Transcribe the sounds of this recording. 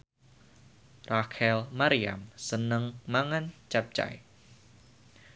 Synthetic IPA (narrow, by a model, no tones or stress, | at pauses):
rakʰɛlmaɾia̰msənəŋmaŋant͡ʃap̚t͡ʃa̰j